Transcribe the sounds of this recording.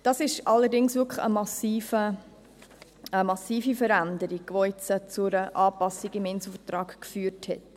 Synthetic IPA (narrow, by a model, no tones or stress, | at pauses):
d̥ɑsɪʃɑlːəɾdɪŋsʋɪkəχə̰mɑsiːfə | əmɑsiːfifəɾænd̪əɾiɡ̥ʋoɛt͡sət͡sʊɾəʔɑːpɑsiɡɪmɪnsl̩fətrɑːkkfyːɾthɛt